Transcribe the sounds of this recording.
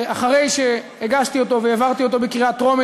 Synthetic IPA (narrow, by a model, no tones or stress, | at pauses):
aχaʁe̞jʃe̞ | eɡaʃt̪io̞t̪o̞veːvaʁt̪io̞t̪o̞bekʁiat̪ʁo̞me